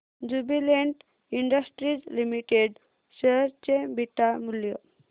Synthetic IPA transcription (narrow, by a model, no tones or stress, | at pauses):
d͡ʑubileɳʈ | iɳɖəsʈɾid͡zlimiʈeɖ | ɕəɾt͡ɕebiʈamuljə